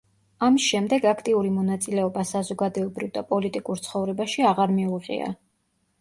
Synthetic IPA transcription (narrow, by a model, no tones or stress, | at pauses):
amisʃɛmd̪ɛɡakʰt̪ʼiuɾimɔnat̪sʼilɛɔbasazɔɡad̪ɛɔbɾivd̪apʼɔlit̪ʼikʼuɾt̪sʰχɔvɾɛbaʃiaʁaɾmiuʁḭa̰